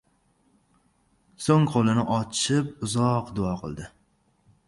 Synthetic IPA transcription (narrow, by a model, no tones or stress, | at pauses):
soŋqʰolˠɪnɪʔɒt͡ʃʰɪpʊzɒqd̪ʊɑqʰɨ̰lˠd̪ɪ